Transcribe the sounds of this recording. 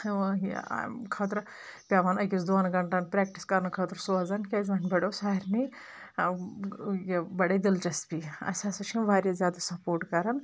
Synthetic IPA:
a̰kʰɐːt̪ɾpʲaːʋanɐɡʲisd̪oɐnɡɐɳʈaːnpɾɛːk̚ʈiskɐɾnkʰɐːt̪ɾsoːɐzɐnkʲezmanʲbɐɽosaːiɾni | jebɐɽɐjd̪ilt͡ʃɐst̪biɐ̰sʲaːsɐt͡ʃʰibaːɾʲjazʲjaːd̪asɐpoːɾʈkɐɾɐn

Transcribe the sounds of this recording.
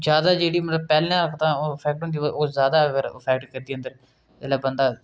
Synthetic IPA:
d͡ʒjaːd̪aːd͡ʒeːɽiːmət̪ləbpɛːlãːɾəkʰt̪ãːoːpʰɛːk̚ʈɦõːnd̪iːooːzjaːd̪aːəɡəɾpʰɛːk̚ʈkəɾd̪iːə̃nd̪əɾ | ɛlaːbənd̪aː

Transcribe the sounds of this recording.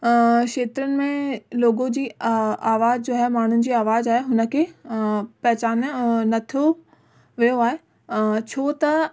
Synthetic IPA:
ʃeːt̪ɾənɪ̆mẽloːɡod͡ʑiːaːʋaːzd͡ʑoːaɦemaːɳ̤ʊnɪ̆d͡ʑiːaːʋaːzaːɦeɦʊnə̆kʰeːpɐɦɪt͡ɕaːnnɐt̪ʰio | ʋijoaːɦe | t͡ɕʰoːt̪ɐ

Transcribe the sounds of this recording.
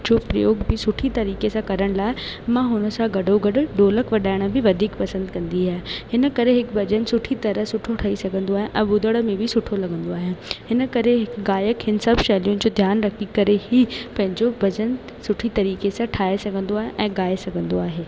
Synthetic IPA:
d͡ʑoːpɾɐjoːɡbɪsʊʈʰit̪ɐɾiːkesãkɐɾəɽ̃laːɪmãɦʊnə̆sãɡɐɖʱoɡɐɖʊ̆ɖoːləkʋɐɗaːɪɽ̃ə̆bɪʋɐd̪ʱiːkpɐsə̃nd̪kɐ̃nd̪iɦaːɦehɪnəkɐɾeɦɪkbɐd͡ʑənsʊʈʰit̪ɐɾəɦsʊʈʰoʈʰɐisɐɡʱə̃nd̪oaːɦẽʔɛ̰̃ːbʊd̪ʱəɽə̆mẽbʱɪsʊʈʰolɐɡə̃nd̪oaːɦijãːhɪnə̆kɐɾeɦɪkɡaːjəkɦɪnɪ̆sɐbʃɛːlijʊnɪ̆d͡ʑoːd̪ʱjaːnɾɐkʰikɐɾehipɐ̃ɦɪ̃ɲd͡ʑobʱɐd͡ʑən | sʊʈʰit̪ɐɾiːkesãʈʰaːesɐɡʱə̃nd̪oaːɦḛ̃ʔɛ̃ːɡaːesɐɡʱə̃nd̪oaːɦeː

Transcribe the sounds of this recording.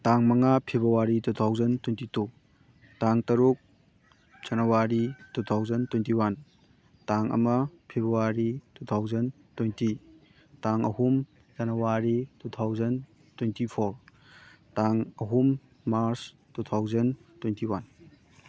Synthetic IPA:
taŋmɐŋapʰebɾuwaɾitutʰawd͡ʒɐntwentitu | taŋtɐɾuk̚ | d͡ʒ̥ɐnɐwaɾitutʰawd͡ʒɐntwentiwan | taŋɐ̰mɐpʰebɾuwaɾitʰutʰawd͡ʒɐn | twejnti | taŋɐhum | d͡ʒɐnɐwaɾitutʰawd͡ʒɐn | twentipʰoɾ | taŋɐɦumː | aɾs | tutʰawzɐntwentiwan

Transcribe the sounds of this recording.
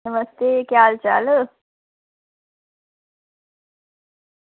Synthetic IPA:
əməst̪ekjaːlt͡ʃa̰ːlə

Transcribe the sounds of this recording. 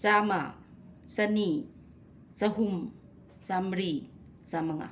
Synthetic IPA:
t͡sama | t͡sani | t͡saɦum | t͡samɾi | t͡samaŋa̰

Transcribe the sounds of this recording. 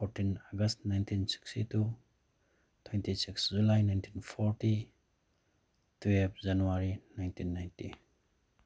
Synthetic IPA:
pʰoɾtinɔɡɐstnajntʰinsi̥kstitu | tʰwentisikszulajnajntʰinpʰɔɾti | tʰuep̚ʰzanuwaɾinajntʰinːajntḭ

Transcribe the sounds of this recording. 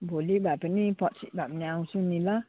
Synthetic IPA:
bolɛhbapanĩpɔtsibanaŋsunĩla

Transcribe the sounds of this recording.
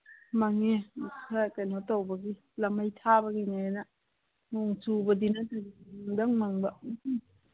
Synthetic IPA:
maŋekʰakajnɔtawbaɡi | lamajtʰabaɡiŋana | noŋsubɐdinatʰaɡiŋdaŋmaŋbɐ

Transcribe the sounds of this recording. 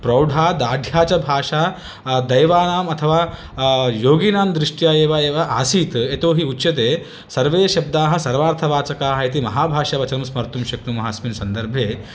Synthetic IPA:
pɾɐwɖʱaːd̪aːɖʱjaːt͡ʃɐbʱaːʂaː | d̪ɐjʋaːnaːmɐt̪ʰɐʋaː | joːɡinaːmd̪ɾiʂʈjaːeːʋɐeːʋɐʔaːsiːt̪et̪oːɦiutːʃɐt̪̬eː | sɐɾʋeːʃɐb̚d̪aːɦɐ̆sɐɾʋaːɾt̪ʰɐʋaːt͡ʃɐkaːɦɐit̪̬imɐɦaːbʱaːʂɐʋɐt͡ʃɐnɐmsmɐɾt̪umʃɐknumɐɦaːsminsɐnd̪ɐɾbʱjeː

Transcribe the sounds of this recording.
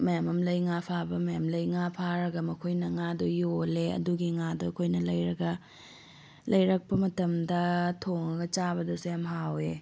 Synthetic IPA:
mɐjamɐmlɐjŋapʰabɐmɐjamlɐjŋapʰaɾɐɡɐmɐkʰojnɐŋadojoleɐ̰duɡiŋadokʰojnɐlɐjɾɐɡɐ | lɐjɾɐk̚pɐmɐtɐmdɐtʰoŋɐɡɐt͡ʃabɐdɐsejamɦawe

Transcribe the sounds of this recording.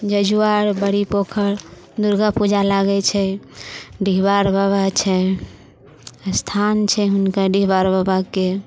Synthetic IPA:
d͡ʒəd͡ʒuaɾbəɽipokʰəɾ | d̪uɾɡapud͡ʒalaɡɛt͡ʃʰɛ | ɖiɦbaɾbabat͡ʃʰɛ | st̪ʰant͡ʃʰɛɦunkaɖiɦbaɾbəbake

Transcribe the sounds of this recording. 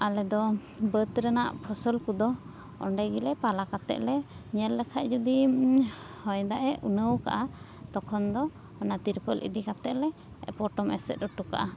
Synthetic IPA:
alɛd̪ɔ | bət̪ɾɛnaʔpʰɔsɔlkud̪ɔ | ɔ̰ɳɖɛɡilɛpalakat̪ɛ̰ʔlɛɲɛlːɛkʰaʔ̪̚d͡ʒud̪i | hɔjd̪aʔɛunəwka̰ʔa | t̪ɔkʰɔnd̪ɔː | nat̪iɾpəlʔḭd̪ikat̪ɛʔlɛ | pɔʈɔmɛ̰sɛ̰t̪̚ɾɔʈuka̰ʔa

